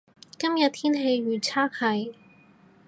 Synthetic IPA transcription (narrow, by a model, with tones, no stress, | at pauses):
kɐ˥mjɐ˨t̚t̪ʰiː˥nɦe˧jɥyː˨˩t͡sʰaː˥k̚hɐ˨˧˩j